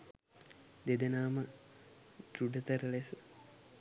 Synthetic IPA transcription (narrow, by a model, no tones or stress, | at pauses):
d̪ed̪enaːmə | d̪ɾuɖət̪əɾəlesə